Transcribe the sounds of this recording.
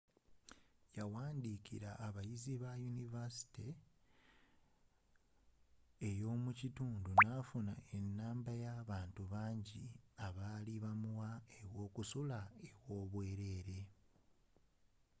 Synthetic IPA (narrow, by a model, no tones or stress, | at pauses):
jawaːndikiɾaʔːβajiziβajunivasi̥te | ejo̞ːmucituːndunaːfuna̰ʔe̞nːaːmbajaβaːntuβaːɲɟiaβaːliβamuwaewo̞ːkusulae̞wo̞ːβwe̞ːɾe̞ːɾe̞